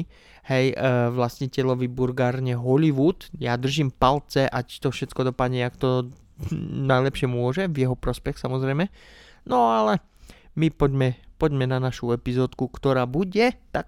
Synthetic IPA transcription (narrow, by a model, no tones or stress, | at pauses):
hɛjʋlascicɛlɔʋibuɾɡaːɾɲɛɦɔliʋut̪jad̪r̩ʒimpalt͡sɛʔact̪ɔfʃɛt̪kɔd̪ɔpad̪ɲɛakt̪ɔ | najlɛpʃɪɛmʊɔʒɛvjɛɦɔpɾɔspɛxsamɔzɾɛjmɛ | nɔalɛ | mipɔɟmɛpɔɟmɛnanaʃuɛpizɔːt̪kukt̪ɔɾaːbuɟɛt̪ak̚